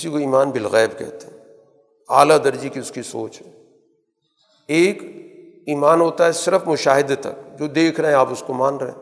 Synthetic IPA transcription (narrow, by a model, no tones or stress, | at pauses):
ɪsikoiːmaːnbɪlɣɛːbkɛ̰ɦt̪eɦɛ | aːlad̪ɐɾd͡ʒikiʊskiso̰ːt͡ʃɦɛ | eːk | iːmaːnɦoːt̪aɦɛsɪɾəfmʊʃaːɦɪd̪t̪ːɐ̰kd͡ʒoːd̪eːkʰɾɐɦẽaːpʊskomaːnɾɐɦḛ̃ː